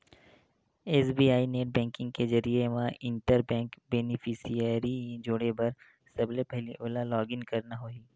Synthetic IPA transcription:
eːsbiːaːineːʈ̚bɛ̃ːŋkɪ̃ŋɡ̚kezɐɾieʋãʔɪ̃ɳʈəɾbɛ̃ːŋkbeːnɪfʰɪsijəɾid͡ʒoːɽebɐɾ | sɐblepɛɦliʔoːlalɔːɡɪnkɐɾnaɦoːiː

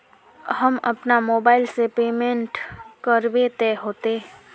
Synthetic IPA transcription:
hɐmɐ̰pnamoːbaːɪlsepeːmẽɳʈkəɾwet̪ɛːɦoːt̪e

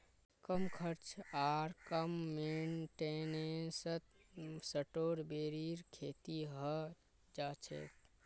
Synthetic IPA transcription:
kəmkʰəɾt͡ʃʰaɾkəmːenʈenesət̪səʈoːɾbeɾiɾkʰeːt̪iɦə | d͡ʒat͡ʃʰḛt̪

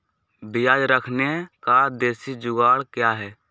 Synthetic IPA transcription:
bɪjaːd͡ʒɾəkʰnekad̪eːsid͡ʒʊɡaːɽkjaɦɛː

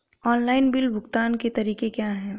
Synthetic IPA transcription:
ɔːnlaːɪnbɪlbʱʊɡt̪aːnket̪ɐɾiːkekjaːɦɛː

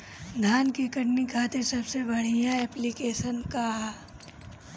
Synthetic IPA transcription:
d̪ʱaːnkikɐʈnikʰaːt̪esɐbsebɐɽ̤ijaɛːplikeːʃənka

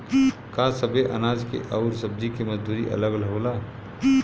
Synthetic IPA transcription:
kasəbeʔɐ̰naːd͡ʒkḛʔɐʊɾsɐb̚d̪ikemɐzd̪uːɾḭʔɐ̰ləɡlɦoːlaː

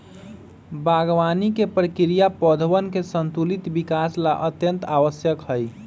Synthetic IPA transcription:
baɡʋanikepɾəkiɾijapɔd̪ʱʋənkesənt̪ulit̪bikaslaʔət̪jənt̪aʋəsjəkɦəj

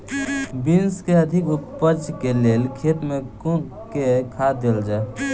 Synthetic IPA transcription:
binskeəd̪ʱɪkʊpəɾd͡ʒkeleːlkʰeːt̪mẽku | kekʰad̪eːld͡ʒae

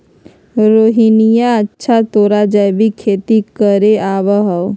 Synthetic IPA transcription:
ɾoːɦinijaətːʃʰat̪oːɾad͡ʒəjbikʰeːt̪ikəɾeaːʋəɦəw

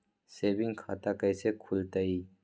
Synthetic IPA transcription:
seːbiŋkʰat̪akɐjsekʰult̪ɐi

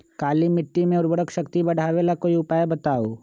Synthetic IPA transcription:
kaːlimɪʈːimẽʊɾbəɽəkʃəkt̪ibɐɽ̤ʱaːʋelakoːiʊpaːjebɐt̪aːo

